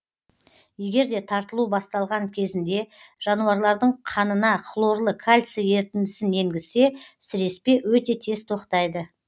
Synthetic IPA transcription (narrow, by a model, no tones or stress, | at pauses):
je̞ɡʲe̞ɾd̪e̞t̪ʰɑɾt̪əlˠubɑst̪ɑlˠʁɑŋkʲʰe̞zɪnd̪e̞ʒ̥ɑnuɑɾlˠɑɾd̪əɴqʰɑnənɑχʰlˠo̞ɾlˠəkʰalʲt̪səje̞ɾt̪ɪnd̪ɪsɪne̞ŋɡʲɪze̞sɪɾe̞spe̞wɵt̪e̞t̪ʰe̞st̪ʰo̞qt̪ɑjd̪ə